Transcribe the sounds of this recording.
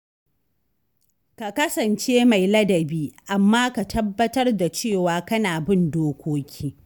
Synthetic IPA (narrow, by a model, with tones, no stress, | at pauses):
ka˨kɐ˦sɐ˨nt͡ʃeː˦ma˨jlɐ˦dɐ˨biː˦ʔa˨mːaː˦ka˨tʰɐ˦bːɐ˦tɐ˦rda˨t͡ʃeː˦˨waː˨kɐ˦naː˨bɪ˦ndoː˦kʷʰoː˦kʲʰiː˦